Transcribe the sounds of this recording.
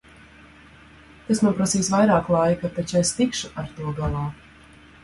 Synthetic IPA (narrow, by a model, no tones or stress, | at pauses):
t̪esnupɾasiːsvajɾaːklˠajkat̪at͡ʃest̪ikʃuʔaɾt̪uɔɡalˠaː